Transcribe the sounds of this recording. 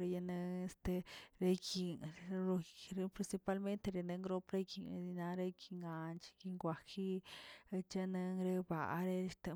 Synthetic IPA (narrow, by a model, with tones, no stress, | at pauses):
ɾe˧ja˧ne˧e˧st̪e˧ɾe˧ɡi˨ŋ˧ɾo˧ɾe˧pɾi˧nsi˧pa˧˦lme˦nt̪e˧ɾe˧ne˧ŋɡɾo˧pɾe˦ɡḭ˨˧i˧na˧ɾe˧ɡi˧ŋɡa˨nt͡ʃɡi˧ŋɡʷa˧ki˦e˧t͡ʃa˦˧ne˧ŋɾe˧ba̰˨˧ɾe˧st̪e˧